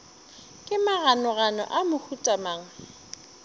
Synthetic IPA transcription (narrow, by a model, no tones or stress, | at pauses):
kʼɪmaɣanɔɣanɔ̰ʔamʊhutʼamaːŋ